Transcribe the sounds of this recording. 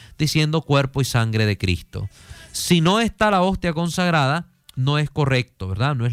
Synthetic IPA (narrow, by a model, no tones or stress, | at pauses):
d̪̥isje̞nd̪o̞kwe̞ɾpoisaŋɡɾe̞ðe̞kɾḭst̪o̞̰sino̞e̞st̪alao̞st̪jako̞nsaɣɾaða | no̞e̞sko̞re̞k̚t̪oβeɾðanoe